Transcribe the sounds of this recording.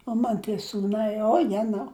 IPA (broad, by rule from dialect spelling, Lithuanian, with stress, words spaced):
oː ˈmɐn tʲiɛ suːˈnɐɪ oː ˈjæːnɐʊ